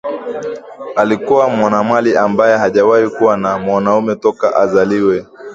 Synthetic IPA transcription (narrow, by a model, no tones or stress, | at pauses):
alikuwamwanamwaliambajɛɦaʄawahikuwanamwanaumɛtɔka̰ʔazaliwɛ